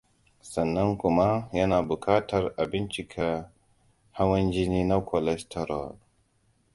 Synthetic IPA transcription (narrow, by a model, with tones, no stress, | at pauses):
sɐ˨nːɐ˦ŋku˨ma˦jɐ˦na˨bu˨kʰaː˦tɐ˦ɾa˨bi˦nt͡ʃi˨kʰa˨ | ha˦wɐ˦nd͡ʒi˦ni˦na˦kʰɔ˨lɛ˦stʰɛ˦ɾɔ̰˨l